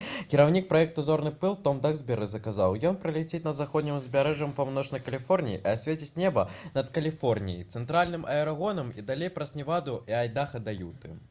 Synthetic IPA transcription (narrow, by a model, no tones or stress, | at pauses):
kʲiɾawnʲik̚pɾaɛk̚t̪uzɔrnɨpɨlˠt̪ɔmd̪aɣzʲbʲɛɾɨzɐkaza̰wjɔnpɾɐlʲɛt͡sʲet͡sʲnɐzaxɔd̪nʲimzʲbʲaɾɛʐɐmpawnɔt͡ʂnɐjkɐlʲifɔrnʲijḭʔasʲvʲet͡sʲit͡sʲnʲɛbɐnɐt̪kɐlʲifɔrnʲḭjḭt̪sɛnt̪ɾalʲnɨmʔɐɛɾaɣɔnɐmid̪alʲejpɾɐsʲnʲivad̪uiajd̪axɐd̪ajut̪ɨ̰